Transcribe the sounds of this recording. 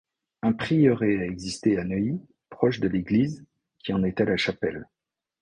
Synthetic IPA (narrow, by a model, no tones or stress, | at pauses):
ɛ̃pχijœʁeaɛɡzist̪eanœi | pχɔʃd̪əleɡliz | kʲiɑ̃nɛt̪ɛalaʃapɛl